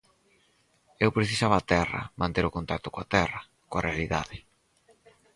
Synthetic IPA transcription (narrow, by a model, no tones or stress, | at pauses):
ewpɾeθisaβaːt̪ɛrɐ̰mãnt̪eɾʊkont̪ak̚t̪ʊ̥koa̰t̪ɛrɐ | koɐrealiða̰ðɪ